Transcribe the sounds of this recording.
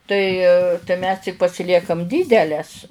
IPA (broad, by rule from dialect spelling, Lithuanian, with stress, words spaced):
tɐɪ tɐɪ mʲɛs tʲɪk pɐsʲɪˈlʲiɛkɐm ˈdʲiːdʲɛlʲɛs